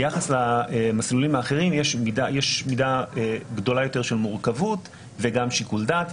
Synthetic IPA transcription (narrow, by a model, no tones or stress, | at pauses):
jaχaslaemaslulimaːχeʁimjeʃmidajeʃmidaeɡdo̞lajo̞te̞ʁʃelmuʁkavut | veɡamʃikuldat